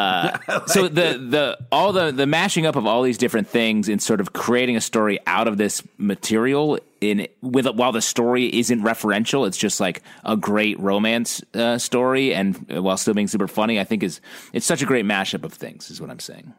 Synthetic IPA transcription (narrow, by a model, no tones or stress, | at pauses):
ʌsoʊðɨðəɔlˠðəðɨmæʃɪ̃ŋʌpʌvɔlˠðizdɪfɹɨ̃nθɪ̃ŋzɨ̃nsɔɹɾʌv̥kʰɹ̥ieɪɾɪ̃ŋɨstɔɹiʔa̰ʊɾʌvðɪsmɨtʰɪɹil̩ˠ | ɪ̃nwɪðwaɪlˠðɨstɔɹiʔɪzɨ̃nʔɹɛfə˞ɛ̃nʃl̩ˠətsd̥ʒ̥ʌst̚ˡlaɪkʔəɡɹeɪʔ̚ɹõʊ̃mæ̃nsʌstɔɹiɨ̃n̰waɪlˠstɪlˠbiɪ̃ŋsʉpə˞fʌɾ̃iaɪθɪ̃ŋkɨz̥ʔɨtsʌt͡ʃɨɡɹeɪt̚mæʃʌpʌv̥θɪ̰̃ŋz̥ɨzwʌɾã̰ɪ̃mseɪɪ̰̃ŋ